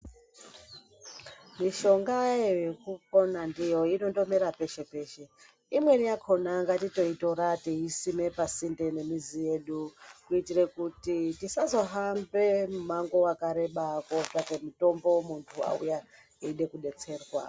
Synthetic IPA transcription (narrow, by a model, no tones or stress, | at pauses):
miʃo̞ŋɡaejekuk̚o̞nandijo̞ino̞ndo̞me̞ɾape̞ʃe̞pe̞ːʃe̞ | imwe̞nijakʰo̞naŋɡatito̞ito̞ɾatiisime̞pasinde̞ne̞mizije̞ɗukuitirekutitisazo̞ɦambe̞mumaŋɡo̞wakaɾe̞ɓakotakemito̞mbo̞muntʰua̰ṵja | eiɗe̞kuɗe̞t͡se̞ːrwa̰